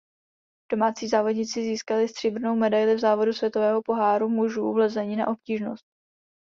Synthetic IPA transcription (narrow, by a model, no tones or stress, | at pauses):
d̥o̞maːt͡siːzaːvo̞dɲɪt͡sɪziːskalɪst̪r̥ɪbr̩no̞wmɛdajlɪvzaːvo̞dusvʲjɛt̪o̞vɛːɦo̞po̞ɦaːɾumuʒuːvlɛzɛɲiːna̰ʔo̞pciːʒno̞st̪̚